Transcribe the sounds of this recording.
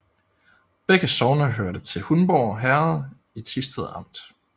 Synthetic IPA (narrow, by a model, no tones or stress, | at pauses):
b̥eɡ̥əsɒʊnəɦøɐɾ̥ət͡sʰe̝lhunb̥ɒːɒɦæɐðˠ | it͡sʰisd̥eðˠɑ̈m̰d̥